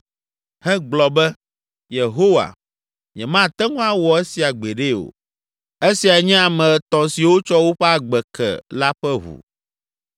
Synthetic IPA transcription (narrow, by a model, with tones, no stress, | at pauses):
hɛ̃˦ɡ͡blɔ˨bɛ˦ | je˨ɦo˦wa̰˨ | ɲɛ̃˨mã˦˨t̪ɛ˦ŋũ˦a˦˨wɔ˨e˦si˨a˨ɡ͡be˨ɖe˦o̰˨ | e˦si˨a˨ɲɛ̃˦a˨mɛ̃˨t̪ɔ̃˨si˨wo˦t͡ʃɔ˦wo˦ɸɛ˦a˨ɡ͡bɛ˨kʰɛ̰˨la˦ɸɛ˦ɦṵ˨